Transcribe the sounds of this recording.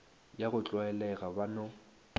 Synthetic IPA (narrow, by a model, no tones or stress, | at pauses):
jaɣʊt͡ɬʼwaɛlɛɣabanɔ